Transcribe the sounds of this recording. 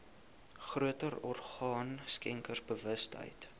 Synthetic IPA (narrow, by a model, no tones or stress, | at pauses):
χruətəɾɔrχɑːnskɛŋkərsbəvəstɦə̰jt